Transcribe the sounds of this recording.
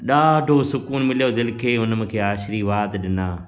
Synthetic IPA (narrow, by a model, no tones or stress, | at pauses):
ɗaːɖʱoːsʊkuːnmɪljoːd̪ɪlkʰeːʊnəm̃ːkʰeːaːʃɾiʋaːt̪ɗɪnaː